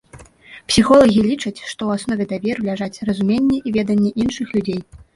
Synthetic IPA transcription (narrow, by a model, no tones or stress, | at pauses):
psʲixɔlˠɐɣʲilʲit͡ʂɐt͡sʲʂt̪ɔwasnɔvʲɛd̪avʲɛɾlʲaʐat͡sʲrɐzumʲenʲːɛʔivʲɛd̪ɐnʲːɛʔinʂɨxlʲud͡zʲej